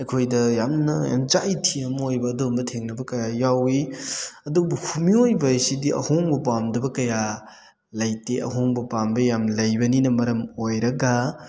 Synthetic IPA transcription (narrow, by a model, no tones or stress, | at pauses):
ɐjkʰojdɐjamnɐja̰md͡ʒajtʰiɐmojbɐːdombɐtʰeŋnɐbɐkɐjajawiɐdubuhumiojbɐsidiʔɐ̰hoŋbɐpamdɐbɐkɐja | lɐjteʔɐ̰ɦoŋbɐpambɐjamlɐjbɐninɐmɐɾɐmojɾɐɡa